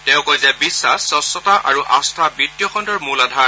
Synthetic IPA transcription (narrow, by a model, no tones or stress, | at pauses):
tɛʊ̃kɔjzɛbisːasːɔsɔtaʔa̰ɹuʔastʰabitːijɔxɔndɔɹmuladʱa